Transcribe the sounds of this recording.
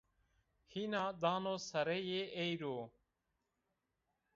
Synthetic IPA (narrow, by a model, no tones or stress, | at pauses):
hiːnãːd̪aːnoːsəɾeːjeːʔeːiɾoː